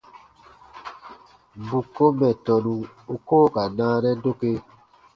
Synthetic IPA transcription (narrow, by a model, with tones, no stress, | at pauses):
bu˨kːo˦mɛ˨tɔ˨nũ˨u˦koː˦˨ka˨nãː˦nɛ˦do˦ke˦